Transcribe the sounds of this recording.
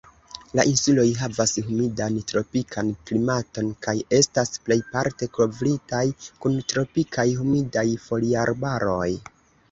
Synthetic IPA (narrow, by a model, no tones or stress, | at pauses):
laʔinsulo̞jɦavashumidantɾo̞pikʰanklimato̞nkaje̞stasple̞jpaɾte̞ko̞vɾitajkuntɾo̞pikʰajɦumidajfo̞liaɾbaɾo̞j